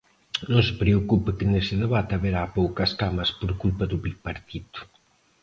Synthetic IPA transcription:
nõŋse̥pɾeokupekeneseðeβat̪aβeɾapowkɐskamɐspoɾkulpɐðuβipaɾt̪it̪u̥

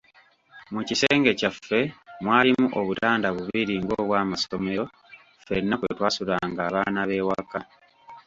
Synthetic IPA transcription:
mucise̞ːŋɡe̞cafːe̞mwaːlimuʔoβutaːndaβuβiɾiŋɡo̞ːβwaːmasome̞ɾo̞ | fe̞nːakweetwaːsulaŋɡaːβaːnaβe̞waka

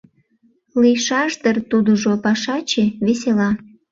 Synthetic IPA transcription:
lijʃɑʒd̪ərt̪ud̪uʒopɑʃɑt͡ɕeβeselɑ

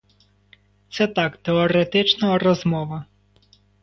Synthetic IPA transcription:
t̪sɛt̪ɑkt̪eɔɾet̪ɪt͡ʃnɐrɔzmɔʋɐ

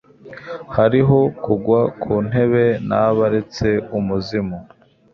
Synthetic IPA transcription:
haɾiɦo̞kuɡwakʰuːn̥e̞βe̞naβaɾe̞t͡se̞umuzimo

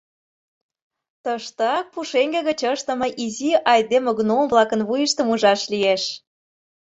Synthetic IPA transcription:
t̪əʃt̪ɑk̚puʃeŋɡeɣət͡ɕəʃt̪ə̆mɤ̆ʔiziʔɑjd̪emoɡnomvlɑkənβujəʃt̪əmuʒɑʃlieʃ

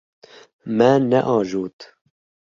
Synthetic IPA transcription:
mɛnɛʔɑːʒuːt̪

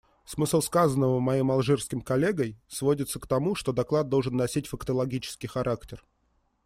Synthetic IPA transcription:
smɨslˠskazənːəvəmɐjejmɐlˠʐɨrskʲɪmkɐlʲe̞ɡəjsvo̞dʲɪt̪səkt̪ɐmuʂt̪o̞d̪ɐklˠad̪̚d̪o̞lˠʐɨnːɐsʲitʲfəkt̪əlˠɐɡʲit͡ɕɪ̥skʲɪjxɐɾʔaktʲɪr

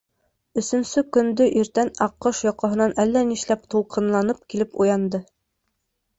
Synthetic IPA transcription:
ɵ̆sɵ̆nsɵkɵ̆nd̪ɵʔiɾt̪ænɑqːɤʃjɑqɑ̆ɦɤ̆nɑnʔælːæniʃlæpt̪ulˠqʰɤ̆nlˠɑnɤp̚kilɘpujɑnd̪ɤ

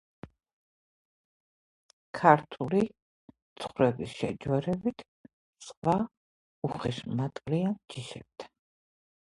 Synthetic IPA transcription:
kʰaɾt̪ʰuli | t̪sʰχɾɛbisʃɛ̰d͡ʒwɛɾɛbit̪ʰ | sqʼva | uχiʃmat̪ʼliand͡ʒiʃɛb̥̚d̪ḁ

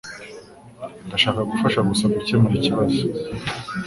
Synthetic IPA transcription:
ndaʃaːkaɡufaʃaɡusaɡucemuɾiciβazu

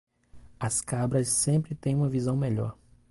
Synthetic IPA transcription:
ɐskabɾɐsːẽmpɾɪt̪ẽj̃ũmɐvizɐ̃w̃meʎɔ̰ɾ

